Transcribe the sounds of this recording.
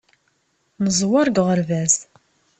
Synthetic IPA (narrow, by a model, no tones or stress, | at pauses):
nəzˤwɑɾɡʁəɾvæz